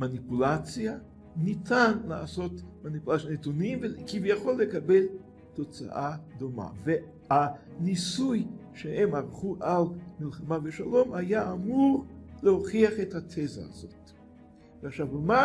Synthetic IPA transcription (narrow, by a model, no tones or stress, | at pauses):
manipulat͡sja | nitanla̰aso̞tmanipulat͡sjanetunimvekivjaχo̞lːekabel | to̞t͡sa̰ʔad̪oma̰ve | hanisujʃehemaʁχuʔalmilχamaveʃalo̞majaːmuʁleho̞χiaχethat̪ʰeza̰a̰zo̞̰t | veaχʃavuma